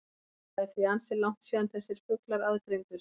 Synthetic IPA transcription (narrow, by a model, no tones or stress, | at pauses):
ɛθviansɪlawŋ̥t̪siːðanθɛsːɪɾ̥fʏklaɾaðt̪ɾejŋt̪ʏɾ